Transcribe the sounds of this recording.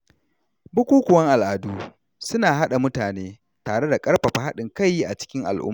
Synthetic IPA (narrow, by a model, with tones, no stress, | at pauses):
bʊ˦kʷuː˦kʷʊ˨wɐ˦ŋʔa˨lʔaː˨duː˦ | sʊ˦naː˨ɦa˦ɗa˨mʊ˦taː˨neː˦ | taː˨ɽe˦da˨kʼɐ˦ɽɸɐ˨ɸa˨ɦa˦ɗɪ˨ŋka˦jːi˦ʔa˨t͡ʃɪ̥˦kʲɪ˦ŋʔa̰˨lʔʊ̰˦mː˨